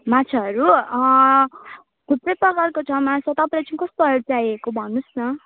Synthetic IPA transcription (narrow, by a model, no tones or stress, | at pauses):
mat͡sʰaɦʌɾu | ɡ̪ʱup̪rejpʌɡʌrkot͡sʰʌmat͡sʰʌt̪ʌpãlat͡saĩkʌst̪oɦʌɽt͡sajekobʱʌnːusnʌ